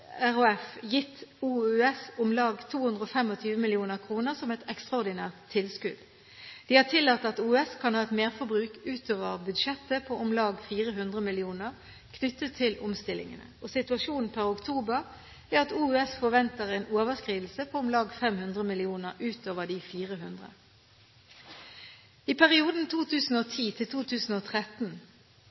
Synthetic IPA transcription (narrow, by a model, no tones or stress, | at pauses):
æʁʊɛfjɪt̪ːuːʉɛsʊmlɑːɡt̪ʰuːhʉnd̪ʁəɔfɛmɔt̪ʰyːʋəmɪlɪuːnəʁkʰʁuːnəʁsɔmɛt̪ɛkst̪ʁɑɔʁd̪ɪnæːʁt̪ʰːɪlskʉd̪̥ | d̪̥ɪhɑʁt̪ʰɪlːɑːt̪ːɑt̪uːɛskʰɑnhɑːɛt̪meːʁfɔɾbʁʉːkʉːt̪oːʋəʁbʉd̪ʂɛt̪ːəpʰɔʔʊmlɑːɡfiːʁəɦʉnd̪ʁəmɪlɪuːnəʁ | kʰnʏt̪ːət̪ʰːɪlʔʊmst̪ɪlɪ̰ŋə̰nə̰osɪt̪ʉɑʃuːnn̩pʰæʁʊkt̪ʰuːbəʁ | æɑt̪uːɛsfɔʋɛnt̪əʁɛːnoːʋəskʁiːd̪l̩səpʰoʊmlɑːɡfɛmhʉnd̪ʁəmɪlɪuːnəʁʉːt̪oːʋəd̪ifiːʁəɦʉnd̪ʁə̰ | ipʰæʁɪuːd̪n̩t̪ʰuːt̪ʰʉːsn̩oːt̪ʰiːt̪ʰɪlt̪ʰuːt̪ʰʉːsn̩oːt̪ʰʁɛt̪n